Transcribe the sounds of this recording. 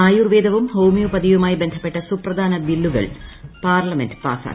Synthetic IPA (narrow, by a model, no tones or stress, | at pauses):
aːjuːrʋeːd̪ɐʋumhowmijupɐd̪iʋumaːjibe̞nd̪ʱɐpːe̞ʈːɐsuprɐd̪ʱaːnɐʋilːuɣɐ̰ɭpaːrlɐmendɨpa̰ːsa̰ː